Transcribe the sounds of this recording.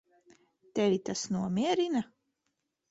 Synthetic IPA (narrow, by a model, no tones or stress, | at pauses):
t̪ɛvit̪asnuɔmʲiɛɾina